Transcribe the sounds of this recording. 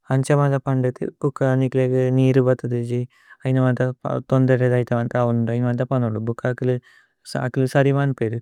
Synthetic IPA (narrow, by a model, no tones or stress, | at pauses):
ɐɲt͡ʃɐmaːt̪ɐpɐɳɖɐt̪ḭbukːanikleːkɐniːɾubɐt̪ːɐd̪id͡ʒi | ɐjnɐʋɐnt̪ɐ̰t̪ond̪ɐɾed̪ɐjt̪ɐʋɐnt̪ɐʋunuɳɖɐjnɐʋɐnt̪ɐpɐnoːɖubukːakilu | skːilusɐɾimaːnpeːɾu